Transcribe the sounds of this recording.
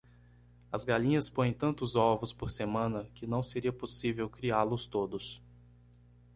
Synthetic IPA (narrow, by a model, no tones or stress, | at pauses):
ɐzɡalĩɲɐspõjẽj̃t̪ɐ̃nt̪ʊzɔvʊspoɾsemɐ̃nɐkɪnɐ̃w̃seɾiɐposivewkɾiaɾlʊst̪od̪ʊs